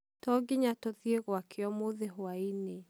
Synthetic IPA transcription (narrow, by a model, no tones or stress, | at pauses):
tɔɡɪɲatɔðjeɣwakʰeɔmoðeɦoaine